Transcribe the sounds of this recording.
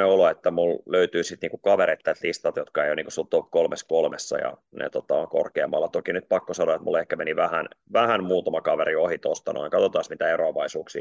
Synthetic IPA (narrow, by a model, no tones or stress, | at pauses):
eoloet̪ːæmulløyt̪yːsit̪niːŋkukɑʋeɾet̪ːæt̪list̪ɑt̪jot̪kɑeijoniːŋkusult̪opkolmeskolmesːɑ̰jɑ̰nḛt̪ot̪ɑo̰ŋko̰rkeːmːɑlːɑt̪okinyt̪̚pɑkːosɑnoet̪mṵlehkæmeniʋæhænʋæhænmuːt̪ɑmɑkɑʋeriohit̪ost̪ɑno̰iŋkɑt̪ot̪ɑˑsmit̪æeɾoɑʋɑisuːksḭː